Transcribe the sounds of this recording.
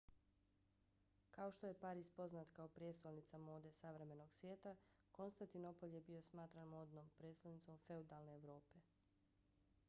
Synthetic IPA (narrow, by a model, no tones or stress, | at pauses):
kaoʃt̪o̞je̞paːɾispo̞znat̪kaopɾjet̪st̪olnit̪samo̞ːd̪e̞saʋɾe̞me̞no̞ɡsʋjeːt̪a | ko̞nst̪ant̪ino̞po̞lʲje̞bio̞smaːt̪ɾanmo̞ːd̪nompɾeːst̪anit̪so̞mfe̞ud̪alne̞ːʋɾo̞ːpe̞